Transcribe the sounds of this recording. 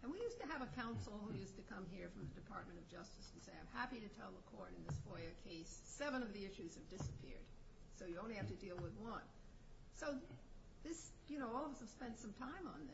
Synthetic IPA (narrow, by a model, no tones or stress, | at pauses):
ɨ̃nwijʉstɨːvɨkʰãʊ̃nsl̩ˠhujʉstɨkʰʌ̃mɦiɹfɹʌ̃mðɨdɨpʰɑ̰ɹt̚mɨ̃ɾ̃ʌvd͡ʒʌstɨsʰn̩seɪãɪ̃mhæpiɾɨtʰɛlˠðəkʰɔɹɾɨ̃nðɪsfɔɪɨkʰeɪssɛvə̃ñʌvðiɪʃʉz̥ɨvdɪsəpʰɪ̰ɹd̥ | soʊjɨõʊ̃nlihæftɨdilˠwɪðwʌ̃n | soʊ | ðɪs | jɨnoʊɔlˠʌvʌsɨv̥spɛ̃nd̥sʌ̃mtʰãɪ̃mə̰̃nðɪ